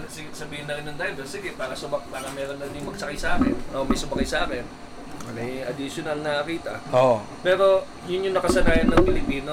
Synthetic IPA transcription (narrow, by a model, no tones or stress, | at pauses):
sɪɡsɐbiːhɪnɐɾɪnːɐnd̪aːjɪnd̪osɪɡɛpaːɾɐsʊbɐkpaːɾɐmɛːɾonːɐɪnʊŋmɐɡ̚sɐkajsɐʔaːkɛ̰nʔomɐjsʊbɐkajsɐʔaːkɛn | mɐjɐ̰d̪ɪʃjonɐlnɐkiːt̪ɐ̰o | pɛːɾo̞ | jʊnjʊŋnɐkɐsɐnaːjɐnːɐŋpɪlɪpiːno